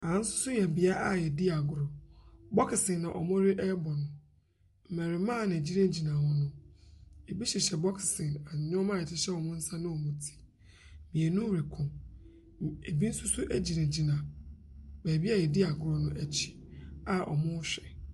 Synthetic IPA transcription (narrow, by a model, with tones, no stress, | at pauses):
ã˨n̩˦sʊ̥˦sʊ˦jɛ˨m̩˨bɪ˨a˦ʔa˨jɛ˨di˦a˨ɡʊ˨ɾɔ˨bɔ˦kʰɪ˨sɪ̃˨nːã˨ʔɔ̰˨mʊ̃˦ɾɪ˦ʔɛ˦bɔ˨nʊ̃˨ | m̩˨mɛ̃˨ɾɪ˨mã˦˨nã˨æ˨d͡ʑi˦nã˦d͡ʑi˨nã˨hɔ˦nʊ̃˦ | e˨bi˦ɕi˨ɕɛ˨bɔ˦kʰɪ̥˨sɪ̃˨nã˨ɲ˨ɲʊ̃˦mã˦˨ɛ˨tʰɪ˦ɕɛ˦wɔ˨mʊ̃˦n̩˦sã˦nʊ̃˦o˨mũ˨tʰi̥˦ | mĩ˨ɛ˨nʊ̃˦ɾɪ˨kʰʊ̃˨ | e˨bi˦n̩˦sʊ˦sʊ˦ʔæ˦d͡ʑi˨nã˨d͡ʑi˨nã˨ | bæː˨bi˦a˦˨jɛ˨di˦a˨ɡʊ˨ɾɔ˨nʊ̃˦ʔæ˨t͡ɕʰi̥˦ | a˨ʔɔ̰˨mʊ̃˦ɕᶣɛ˨